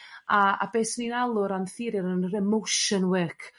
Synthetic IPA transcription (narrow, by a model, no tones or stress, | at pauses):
aa̰beːsninalˠʊɾanθɪɾɪɾənrɛmowʃənwɪkʰ